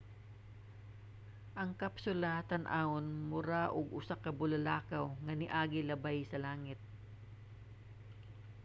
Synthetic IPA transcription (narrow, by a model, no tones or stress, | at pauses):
ʔɐŋkɐpsʊlat̪ɐnʔaonmʊɾaʔʊɡʔʊsakɐbʊlɐlaːkawŋɐnɪʔaːɡɪlɐbajsɐlaːŋɪt̪̚